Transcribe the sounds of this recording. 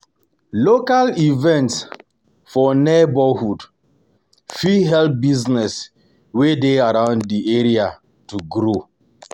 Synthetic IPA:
lokalivɛ̃nts | fɔnebɔhud | fiɦɛlp̚biznɛs | wedeaɾãʊ̃nddieɹia | tuɡɾo

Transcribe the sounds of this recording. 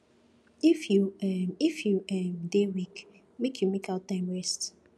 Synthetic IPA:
ifjuɛifjuɛmdewik | mekʰjumekaʊtãɪ̃mɹɛst

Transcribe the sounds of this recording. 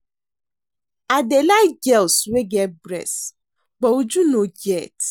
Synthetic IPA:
adelaɡɛlsweɡɛt̚bɾɛ̰s | ɡ͡bɔud͡ʒunoɡɛt

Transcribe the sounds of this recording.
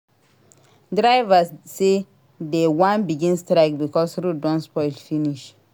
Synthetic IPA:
dɹaɪvasːe | dewãnbiɡĩnstɾaɪkbikɔsɹudɔ̃nspɔɪlfiniʃ

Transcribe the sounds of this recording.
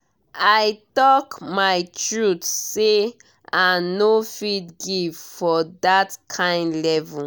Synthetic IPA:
ajtɔkmajtʰɹutse | ãnofidɡivfɔdatkʰãɪ̃ndlɛvɔ

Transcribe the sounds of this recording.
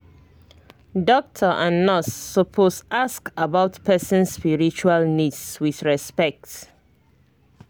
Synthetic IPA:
dɔk̚tʰəʔãnːɔsːɔpʰosaskabaʊtpʰɛsə̃nsːpiɹit͡ʃualnidswiθɹɛspɛk̚t

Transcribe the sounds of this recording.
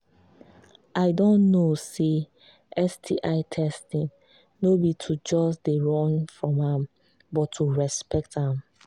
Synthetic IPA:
ʔaɪdɔ̃nnose | ɛstʰiʔaɪtʰɛstĩŋ | nobitʰud͡ʒɔsdeɹɔ̃nfɹɔ̃mãm | bɔtʰːuɹɛspɛk̚tãm

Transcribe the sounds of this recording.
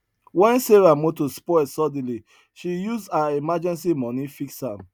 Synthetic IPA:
wɛ̃nseɹamotospɔɪsɔdli | ʃijuzdaimad͡ʒɛ̃nsimɔ̃nifiksham

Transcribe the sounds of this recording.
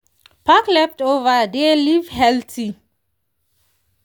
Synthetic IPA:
pʰaklɛftovəd̪elivhɛltʰi

